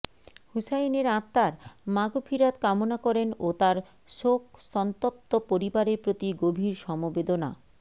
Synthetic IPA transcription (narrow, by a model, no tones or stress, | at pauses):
husajneɾãt̪ːaɾmaɡofʰiɾat̪kamonakɔɾenot̪aɾ | ʃok̚sɔnt̪ot̪ːopoɾibaɾepɾot̪iɡobʱiɾʃɔmobed̪ona̰